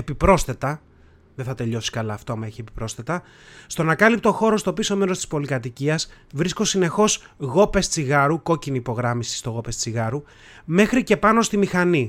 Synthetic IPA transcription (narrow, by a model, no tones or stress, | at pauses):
epipɾo̞sθe̞t̪ɐ | ðeθɐt̪e̞ʎo̞si̥kɐlɐːft̪oɐmɐeçiepipɾo̞sθe̞t̪ɐ | st̪onɐkɐlip̚t̪o̞xo̞ɾo̞st̪o̞piso̞me̞ɾost̪i̥spo̞likɐt̪̬iciɐsvɾisko̞sine̞xo̞sɣo̞pe̞st͡siɣɐɾuko̞ciniːpo̞ɣɾɐmisi̥st̪o̞ɣo̞pest͡siɣɐɾu | me̞xɾice̞pɐno̞st̪imixɐni